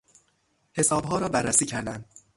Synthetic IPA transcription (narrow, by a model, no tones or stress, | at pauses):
he̞sɒːbɦɒːɾɒːbærːæsiːcʰæɾd̪ænd̪